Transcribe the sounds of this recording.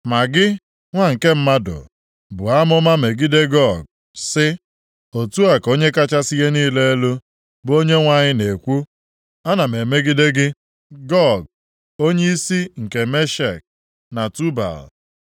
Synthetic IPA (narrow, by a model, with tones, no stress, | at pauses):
ma˨ɡɪ˦ | ŋʷa˦ŋ̩˨ke˦m̩˦ma˦dʊ̰˨ | bʊ˨a˦mʊ˦ma˦me˨ɡi˦de˦ɡɔ˦˨ɡ̚ | sɪ˦ | o˨tu˦a˨ko˦ɲe˦ka˦t͡ʃa˦si˦je˦niː˦le˦e˦lu˦ | bo˦ɲe˦ŋʷa˦ɲɪ˦ne˨kʷu˦ | a˦na˨me˨me˦ɡɪ˦de˦ɡɪ˦ | ɡɔ˦˨ɡ̚ | o˦ɲe˦i˦si˦ŋ̩˨ke˨me˦ʃe˨k̚ | na˨tu˦ba̰˨l